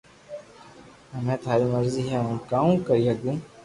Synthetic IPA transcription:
ɦəmẽːt̪ʊaːɾiːməɾziːɦɛ̃ːũːkaːũːkəɾiːɦɐɡ̪ũː

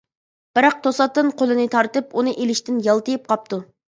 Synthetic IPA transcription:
b̥ɪɾɑq̚t̪ʰosɑt̪ːɨnqʰolˠɨnɨt̪ʰɑɾt̪ɨpunɨʔelɪʃt̪ɪnjɑlˠt̪ɨjɪp̚qʰɑp̚t̪u

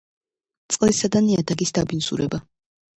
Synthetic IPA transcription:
t̪sʼqʼlisad̪aniad̪aɡisd̪abinsṵɾɛba

